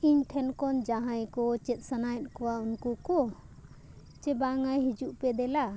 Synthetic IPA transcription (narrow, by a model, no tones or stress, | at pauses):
iɲʈʰɛnkɔnd͡ʒaɦãjkɔt͡ʃɛt̪̚ˀsanajt̪̚ˀkɔwaunkukɔ | t͡ʃɛbaŋajɦid͡ʒuʔpɛd̪ɛla